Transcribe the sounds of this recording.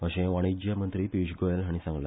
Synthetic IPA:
əɕẽʋaɽ̃ed͡ʑjamənt̪ɾiːpiɕɡojalɦaɽ̃ĩsãŋɡla̰

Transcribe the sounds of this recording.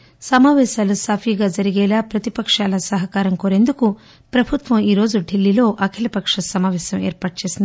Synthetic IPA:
sɐmaːʋɛːsɐlusaːpʰiːɡɐd͡ʒɐɾiɡɛːlɐpɾɐt̪ipɐkʂaːlɐsɐɦɐkaːɾɐmkoɾend̪uku | pɾɐbʱut̪ʋɐmiːɾo̞ːd͡ʒuɖʱilːiloːʔɐkʰelɐpɐkʂɐsɐmaːʋɛːsɐmeːɾpɐʈ̚t͡ʃesin

